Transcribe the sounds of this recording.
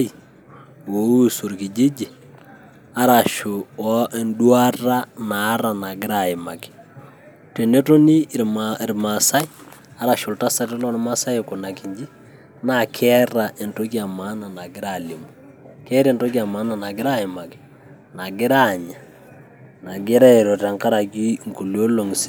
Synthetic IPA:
i | wo˨u˦so˨ɾkɪ˨d͡ʒɪ˦d͡ʒɪ˨ | a˦ɾa˨ʃʊ˨ɔ˦ʔe˨ndwa˦ra˦na˨˦ɾa˨na˨ɡɪ˦ɾa˨ɪ˨ma˨kɪ̥˨ | te˨ne˦to˦ni˦˨ɾmasa˦i˦a˦ɾa˨ʃo˨lta˦sa˦tɪ˦lɔ˦n˦ma˦sa˦joko˨na˨ki˨ɲd͡ʒi˦ | na˨kʰɛ˦ɾa˨ʔe˨nto˦kja˨ma˦na˨na˨ɡɪ˦ɾa˨li˨mo | kɛ˦ɾe˨nto˦k̬ja˨ma˦na˨na˨ɡɪ˦ɾa˦ɪ˨ma˨kɪ̥˨ | na˨ɡɪ˦ɾa˦ɲa˨ | na˨ɡɪ˦ɾa˦e˨ɾo˨ta˨ŋka˦ɾa˨ki˦ŋku˨lo˦lo˨ŋsi˦

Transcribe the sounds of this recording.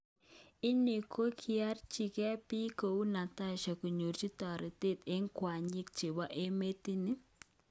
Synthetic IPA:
ɪ˦ni˨kʰo˦kʰi˦a˦rt͡ʃi˨kɛ˦pi˦ko˨u˦na˨ta˦ʃa˨ku˨ɲu˨ɾt͡ʃi˦tɔ˨ɾi˨te˦te˦ŋkwa˨ɲi˦k̚t͡ʃe˨bɔ˦ʔe˦me˦ti˦ni˦

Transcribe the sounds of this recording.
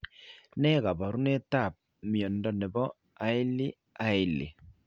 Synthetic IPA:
nɛ˦ka˨ba˨ɾu˦ne˦ta˦˨p̚ | mi˨ɔ˨ndɔ˨nɛ˨bɔ˦ | a˨ɪ˦lɪ˦ | a˦ɪ˦lɪ̰˨

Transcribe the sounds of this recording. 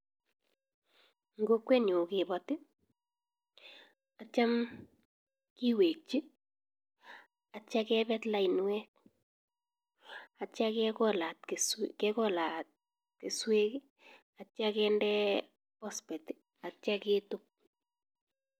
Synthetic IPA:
ŋɡo˦kwe˦no˨kɪ˨bɔ˨tɪ˦ | a˨t͡ʃa˦m | ki˦we˨k̚t͡ʃi˦ | a˨t͡ʃa˦kɛ˦bɛ˦tla˨i˨nwɛ˦k̚ | a˨t͡ʃa˦kkɔla˨tkskɛkɔ˦la˨t̚ | ke˨swe˦k | a˨t͡ʃa˦kɛ˦ndɛ˦ | pɔ˦spɛ˨ti | a˨t͡ʃa˦ke˦tʊ˦k̚

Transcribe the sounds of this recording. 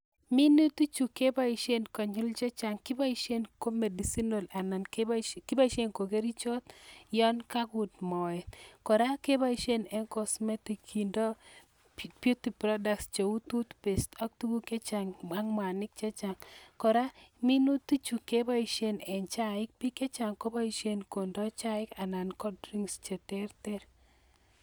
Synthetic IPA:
mi˦nu˦t̪u˦t͡ʃu˨ke˦ba˦i˨ʃe˦nkɔ˨ɲʊ˦lt͡ʃɛ˦t͡ʃa˨ŋkɪ˦ba˦i˦ʃe˦nko˦me˨di˨si˦no˨la˨na˨n˦kɪ˦ba˦i˨ʃe˦nko˨ke˦ɾi˦t͡ʃɔ˦t̪jɔ˦nka˦ɡʊ˨dmɔ˨ɛ˨t̪kɔ˨ɾa˦ke˦ba˦i˦ʃe˦nɛ˨nkɔ˨smɛ˦ti˨kʰːi˨ndo˦ | bju˦ti˨pɾɔ˦da˨kst͡ʃe˨u˦t̪u˦t̪pe˨stɔ˦k̚tu˦ɡu˦ke˦t͡ʃa˨ŋma˦ŋm˨a˨nɪ˦k̚t͡ʃɛ˦t͡ʃa˨ŋkɔ˨ɾa˦mi˦nu˦ti˦t͡ʃu˨ke˦ba˦i˨ʃe˦nɛ˨nt͡ʃa˦ɪ˦k̚pi˦kɛ˦t͡ʃa˨ŋko˦ba˦i˨ʃe˦nko˨ndɔ˦t͡ʃa˦ɪ˦ka˨na˨nkɔ˦dɾi˦ŋst͡ʃe˨tɛ˦rtɛ˦ɾ

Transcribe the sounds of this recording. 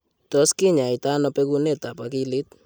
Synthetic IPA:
tɔ˦skɪ˦ɲa˨i˨ta˦nɔ˦pe˦ku˦ne˦˨ta˨pa˦kɪ˦lɪ˦t̚

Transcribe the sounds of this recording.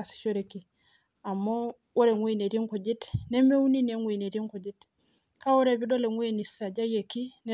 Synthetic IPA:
a˨si̥˨ʃo˦ɾe˨ki˨ | a˨mːɔ˦ | wo˦ɾe˨ŋwi˨ne˨ɾi˦ŋku˨d͡ʒi˦tne˦me˦u˦ni˦ne˨˦ŋwi˨ne˨ɾi˦ŋku˨d͡ʒi˦t | ka˦wo˦ɾe˨bi˦do˦le˨ŋwe˨ni˨sa˨d͡ʒa˦je˨ki˦n

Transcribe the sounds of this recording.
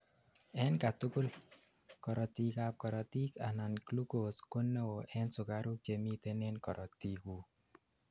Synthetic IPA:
ɛ˦nka˨tu˦kʊ˦l | kɔ˨ɾɔ˨ti˨kap̚kɔ˨ɾɔ˨ti˦ka˨na˨nklu˦ko˨sko˦nːe˦o˨ʔɛ˦nsʊ˨ka˦ɾu˦k̚t͡ʃe˨mi˦t̪e˦ne˦nkɔ˨ɾʔɔ˨ti˨ku˨

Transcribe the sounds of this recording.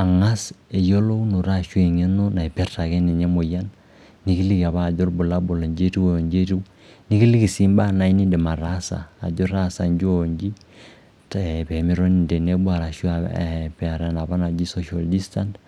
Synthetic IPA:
a˨ŋa˦se˨jo˦lo˦u˦no˨ɾa˦ʃwe˨ɲe˦no˦na˨e˨pɛ˦rta˨kɛ˦ne˨ɲɛ˦mo˨ja˦nː | i˦ki˦li˦ka˨βaː˦˨d͡ʒɔ˦rbu˨la˦bo˨lɔ˨ɲd͡ʒe˦ti˦wo˨ɲd͡ʒe˦ti˦ | ni˦ki˦li˦ki˨si˦mba˦na˨i˦ni˦ndɛ˨ma˨ɾa˦sa̰ː˨d͡ʒɔ˦ɾa˦sa˨ɲd͡ʒɔɲd͡ʒi˦ | tpɛ˨mi˦ɾɔ˦ni˨nde˨ne˦bwa˨ɾa˨ʃwa˨pɛ˨a˨ɾa˨na˨βa˦na˨d͡ʒi˦sɔ˦ʃa˨ldi˦sta˦nt

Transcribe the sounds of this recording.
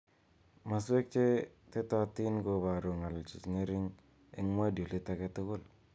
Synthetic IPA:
ma˨s̬we˦k̚t͡ʃe˦ | te˦ta˦ti˦nɡo˨ba˨ɾo˨ŋa˨lt͡ʃi˨sŋe˦ɾi˦ŋ | i˦ŋma˦do˨li˦ta˦ke˦tʊ˦kʊ˦˨l

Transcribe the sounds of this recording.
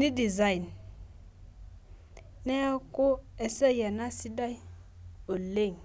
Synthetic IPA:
ni˦di˨za˦i˨n | nɛ˦a˦ko˦ɛ˨sɛ˦ja˨na˦si˦da˦j | o˨le˦˨ŋ

